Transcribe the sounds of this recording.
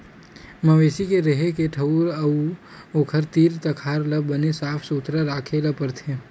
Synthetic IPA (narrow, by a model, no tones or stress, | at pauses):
məʋeːsikeɾɐɦekeʈʰəuɾə | oːkʰəɾt̪iːɾt̪ɐkʰaːɾlɐbənesaːpʰsut̪ɾaɾaːkʰelapəɾt̪ʰe